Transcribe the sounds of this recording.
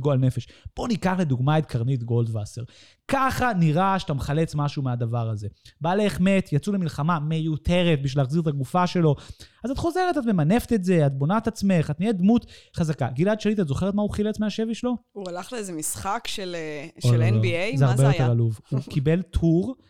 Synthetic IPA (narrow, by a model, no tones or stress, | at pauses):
ɡoalne̞feʃb̥o̞nikaχle̞d̪uɡmaet̪̚kʰaʁnit̪ɡo̞ld̪vaseʁ | kaχaniʁaʃe̥tameχale̞t͡smaʃumead̪avaʁaze̞baːleːχme̞t̪jat͡sulemilχamamejutʰe̞ʁet̪̚biʃvilaχziʁet̪aɡufaʃe̞lo̞azat̪χo̞ze̞ʁetat̪me̞mane̞fet̪etze̞at̪̚bo̞nat̪at͡sme̞χatnied̪mut̪χazakaɡiladʃalit̪̬atzo̞χe̞etmauχilet͡smeaʃe̞viʃlo̞ualaχleezemisχakʃeleʃoelenbiejzeaʁbejot̪eʁaluvhukibe̞ltuʁ